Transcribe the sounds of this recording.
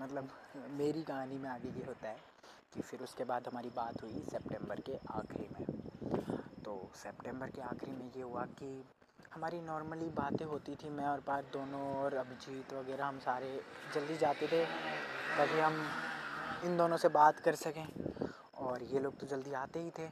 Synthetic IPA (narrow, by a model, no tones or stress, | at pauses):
mɐt̪ləbmeːɾiɡãːnimẽaːɡəijeɦoːt̪aɦɛː | kifɪɾʊskebaːd̪ɦɐmaːɾibaːt̪ɦuisɛp̚ʈɛ̃ːmbəɾkeʔaːxɾḭmḛ̃ | t̪oːsɛpʈɛ̃ːmbəɾkeaːxɾimẽjeɦʊaki | hɐmaːɾinɔːɾməlibaːt̪ẽɦoːt̪it̪ʰimɛ̃ɔːɾpaːɾd̪oːnõɔːɾɐbʱɪd͡ʒiːt̪ʋɐɡɛːɾaɦɐmsaːɾed͡ʒɐld̪id͡ʒaːt̪et̪ʰet̪aːkiɦɐm | ɪnd̪oːnõsebaːt̪kɐɾsɐkẽː | ɔːɾjeloːɡ̚t̪od͡ʒɐld̪iaːt̪eɦit̪ʰeː